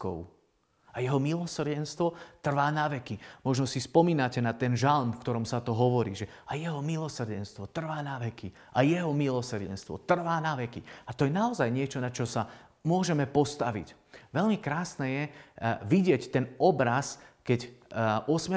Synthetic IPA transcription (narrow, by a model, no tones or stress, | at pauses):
kɔ̰ʊ | ajɛɦɔmilɔsr̩ɟɛnst̪ʋɔt̪r̩ʋaːnaʋɛkimɔʒnɔsispɔmiːnacɛnat̪ɛnʒalmfkt̪ɔɾɔmsat̪ɔɦɔʋɔɾḭːʒɛajɛɦɔmilɔsr̩ɟɛnst̪ʋɔt̪r̩ʋaːnaʋɛki | ʔajɛɦɔmilɔsr̩ɟɛ̰nst̪ʋɔ̰t̪r̩ʋaːnaʋɛkiat̪ɔjɛnaɔzajɲɪɛt͡ʃɔnat͡ʃɔsa | mʊɔʒɛmɛpɔst̪aʋḭc | ʋɛʎmikɾaːsnɛjɛʋiɟɪɛct̪ɛnɔbɾaskɛcɔsmɛ